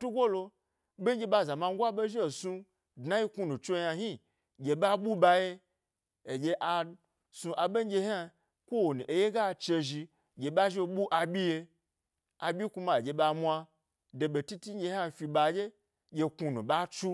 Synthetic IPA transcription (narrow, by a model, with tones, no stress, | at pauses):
tu˦ɡʷo˦lo˧ | be˦d͡ʒʲe˧ba˧˨za˨ma˧ŋ˦ɡʷa˦be˦ʒi˦˨su˧ | dna˦ji˦ku˧nũ˨t͡ʃo˦ja˧ɦi˦ | ɡʲe˧ba˦ɓu˦ba˧je˦ | e˨ɡʲe˧ʔa˧ | sũ˧ʔa˨ɓe˦ɡʲe˧ha˧ | kʷo˦wo˨nu˨ʔe˨je˦ɡa˦˨t͡ʃe˧ʒi˧ | ɡʲe˨ɓa˦ʒi˦˧˨ɓu˦ʔa˧bʲi˦je˧ | a˨bʲi˦ku˧ma˧˨e˨d͡ʒʲe˧ɓa˧mʷa˧ | de˨˧be˨ti˦ti˦ɡe˧ha˧fʲi˧ba˧d͡ʒʲe˦ | ɡʲe˧ku˧nṵ̃˨ba˦t͡ʃu˦